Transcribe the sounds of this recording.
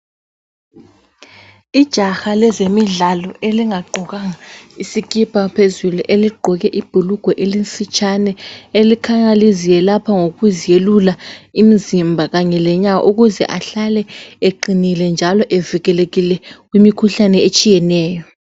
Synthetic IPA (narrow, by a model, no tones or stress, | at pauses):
id̥ʒ̥ʱaxalɛzemiɮalɔeliŋaɡ͡ǃʱɔɣaŋaisiɣʼipʰʼapʰezuluʔeliɡ͡ǃʱɔɣɛʔib̥ʱuluɡ̥ʱɔʔelinsʼit͡ʃʼanɛelikʰaŋalizijɛlapʰaŋoɣuzijelulaimizimbʱaɣaɲɛlɛɲa̰ʔuɣuzɛ̰ʔaɬalɛeǃinilɛnd͡ʒʱalɔʔeviɣɛleɣilɛɣwimikʰuɬanɛet͡ʃʼijɛnɛːjɔ